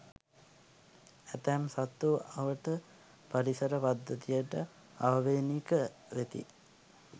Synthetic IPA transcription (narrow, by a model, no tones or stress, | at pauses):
æt̪æmsat̪ːuɐʋəʈə | paɾisəɾəpad̪ːət̪ijəʈə | aʋʋeːnikəʋet̪ḭ